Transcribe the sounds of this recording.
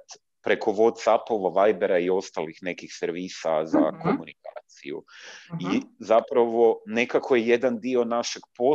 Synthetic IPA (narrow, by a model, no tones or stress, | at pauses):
t̪ | pɾe̞ko̞ʋo̞t̪sapoʋaʋajbe̞ɾaio̞st̪alixne̞kixseɾʋiːsaza̰kʰo̞munika̰ːt̪sijṵizapɾaʋo̞ne̞kakʰo̞jeje̞d̪and̪io̞naʃe̞ɡ̥po̞